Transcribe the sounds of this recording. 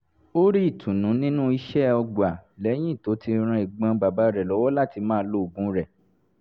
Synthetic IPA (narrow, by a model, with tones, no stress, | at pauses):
o˦ɾi˦i˦˨tʰũ˨nũ˨˦nĩ˦nũ˦i˧ʃɛ˦ɔ˧ɡ͡ba˨lɛ˨˦j̃ĩ˦i˦˨to˨˦ti˧ɾ̃ã˧i˨ɡ͡bã˧ba˨ba˨˦ɾɛ˨lɔ˨˦wɔ˦la˦˨ti˧mãː˦lo˧˦˨ɡũ˨˦ɾɛ˦˨